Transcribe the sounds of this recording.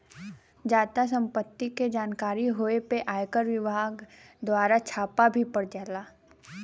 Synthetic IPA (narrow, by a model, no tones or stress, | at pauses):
d͡ʒaːt̪as̬ə̃mpət̪ːiked͡ʒaːnkaːɾiɦoːepeʔaːjkəɾʋɪbʱaːɡ | d̪waːɾat͡ʃʰaːpabʱipɐɽd͡ʒaːlaː